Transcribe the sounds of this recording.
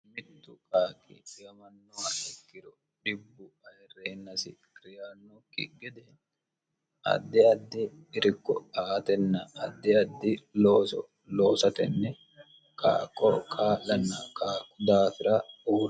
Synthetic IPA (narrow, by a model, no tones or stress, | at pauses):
mɪt̪ːʊkaːkʼɪ̰ɪjɐmɐnːɔɐɛkːɪɾɔ | ᶑɪbːʊɐjɛrːeːnːɐsɪ̰kɪɾɪjaːnːɔkːɪ̰ɡɛd̪ɛn | ʔɐ̰d̪ːɪɐd̪ːɪː | ɾɪkːɔaːt̪ɛnːɐɐd̪ːɪɐd̪ːɪloːsɔ | loːsɐt̪ɛnːɛ | kʼa̰ːkʼːɔ̰kʰaːlɐnːɐkaːkːʊd̪aːfɪɾɐuːɾ